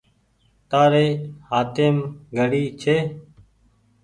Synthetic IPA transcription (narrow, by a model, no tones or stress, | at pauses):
t̪aːɾeːhaːt̪eːmɡəɽiːt͡ʃʰeː